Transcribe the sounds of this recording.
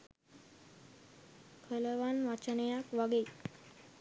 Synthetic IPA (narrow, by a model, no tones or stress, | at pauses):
kʰələʋanʋat͡ɕnəjakʋaɡe